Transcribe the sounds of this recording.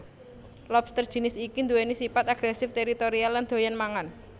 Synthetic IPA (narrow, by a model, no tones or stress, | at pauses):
lɔbst̪ərd̥ʒ̥i̤nɪsikind̪uwenisipat̪aɡ̥ɾɛsɪft̪eɾit̪oɾialːand̪̥o̤janmaŋan